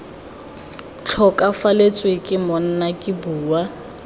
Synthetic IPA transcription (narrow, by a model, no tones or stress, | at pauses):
t͡ɬʰɔkʼafalet͡sʼwekʼɪmɔn̩nakʼɪbuːwa